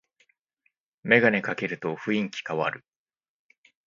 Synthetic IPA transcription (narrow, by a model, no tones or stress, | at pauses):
me̞ɡanekake̞ɾɯ̟t̪o̞ɸɯ̟ĩŋkʲi̥kaβa̰ɾɯ̟